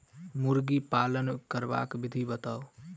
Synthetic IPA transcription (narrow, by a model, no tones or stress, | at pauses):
muɾɡipaːlənkəɾba̰kbɪd̪ʱibət̪ao